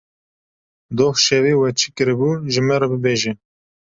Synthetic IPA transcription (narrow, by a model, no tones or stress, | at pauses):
d̪oːhʃɛviːwɛt͡ʃʰikɨɾɨbuʒɨmɛɾɑbɨbeːʒɛ